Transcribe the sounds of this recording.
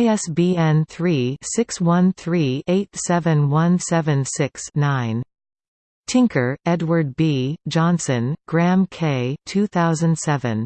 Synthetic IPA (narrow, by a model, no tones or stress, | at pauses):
ɪɛsb̥iɛ̃nθɹisɪkswʌ̃nθɹieɪtsɛvɨ̃nwʌ̃nsɛvɨ̃nsɪksnãɪ̃n | tʰɪ̃ŋkʰə˞ɛdwə˞d̚bid͡ʒɑ̃nsɨ̃nɡ̥ɹæ̃mkʰeɪtʰʉθaʊzɨ̃nd̥sɛvɨ̰̃n